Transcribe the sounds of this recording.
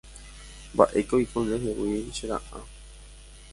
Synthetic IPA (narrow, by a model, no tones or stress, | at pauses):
mba̰ʔe̞kojkõnɾeɦewiʃeɾa̰ʔa̰